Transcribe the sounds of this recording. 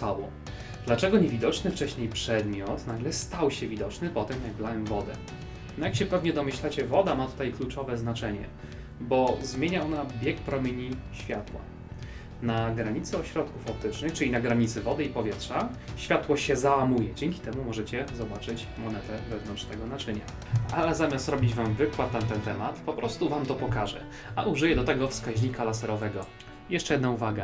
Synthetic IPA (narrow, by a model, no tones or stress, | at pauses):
awɔ̰ | d̪lat͡ʂɛɡɔɲevʲid̪ɔt͡ʂnɘft͡ʂɛɕɲejpʂɛd̪mʲjɔt̪naɡlɛst̪awɕɛvʲid̪ɔt͡ʂnɘpɔt̪ɛmjaɡblawɛmvɔd̪ɛ | nɔjakɕɛpɛvɲɛd̪ɔmɘɕlat͡ɕɛvɔd̪amat̪u̥t̪ajklut͡ʂɔvɛznat͡ʂɛɲɛ̰ | bɔzmʲjeɲaɔnabʲjɛkpɾɔmʲeɲiɕfʲjat̪wa̰ | naɡɾaɲit̪sɨɔɕɾɔt̪kufap̚t̪ɘt͡ʂnɘxt͡ʂɘlʲinaɡɾaɲit̪sɘvɔd̪ɘipɔvʲjɛtʂaɕfʲjat̪wɔɕɛzawamujɛd͡ʑɛŋʲkʲit̪ɛmumɔʐɛt͡ɕɛzɔbat͡ʂɘt͡ɕ | mɔnɛt̪ɛvɛvnɔnt͡ʂt̪ɛɡɔnat͡ʂɘɲa̰ | ʔalɛzamʲjast̪ɾɔbʲid͡ʑvamvɘkwat̪ːamt̪ɛnt̪ɛmat̪pɔpɾɔst̪uvamt̪ɔpɔkaʐɛ̰ | aʔuʐɘjɛd̪ɔt̪ɛɡɔfskaʑɲikalasɛɾɔvɛɡɔ | jɛʂt͡ʂɛjɛd̪nauvaɡa